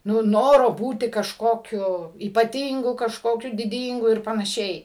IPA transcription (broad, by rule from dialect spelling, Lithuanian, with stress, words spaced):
ˈnʊ ˈnoːroː ˈbuːtʲɪ kɐʃˈkoːkʲʊ iːpɐˈtʲiːŋɡʊ kɐʃkoːˈkʲʊ dʲɪˈdʲiːŋɡʊ ɪr pɐnɐˈʃʲɛɪ